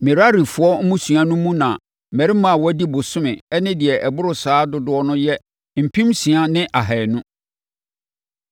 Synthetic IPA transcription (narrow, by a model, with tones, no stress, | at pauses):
mɪ̃˨ɾa˦ɾi˨fʊ˨ɔ˦m̩˦mũ˦su˨ã˦nʊ̃˦mũ˦nã˨ | mɛ˨ɾi˦mã˨wɔ˦di˦bʊ˨sʊ̃˦mɪ̃˨ɛ˦nɪ̃˦dɪ˨ɛ˨ʔɛ˨bʊ˦ɾʊ˨saː˨˦dʊ˦dʊ˨˦ɔ˦nʊ̃˦jɛ˦ | m̩˨pʰĩ˦msĩ˨a˦nɪ̃˦ʔa˨ɦɛ˨nʊ̃˦